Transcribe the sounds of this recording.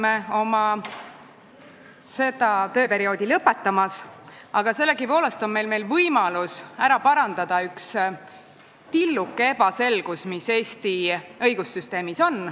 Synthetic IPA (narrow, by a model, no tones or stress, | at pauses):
meo̞mɑ | se̞d̪̥ɑt̪ø̞ːpe̞ɾio̞ːd̪̥ʲilɤpːe̞t̪ːˑɑmɑs | ɑɡ̥ɑse̞lːe̞ɡipo̞ːle̞st̪o̞nme̞jlme̞jlvɤjmɑlusæɾɑpɑɾɑnd̪̥ɑd̪̥ɑyks | t̪ilːukːˑee̞b̥ɑse̞lɡ̥usmise̞ːst̪iɤjɡusːyst̪e̞ːmiso̞n